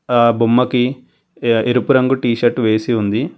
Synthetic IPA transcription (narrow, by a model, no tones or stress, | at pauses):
bʱumːɐki | eɾupuɾɐŋɡuʈiːʃɐɾʈʋe̞ːsiund̪i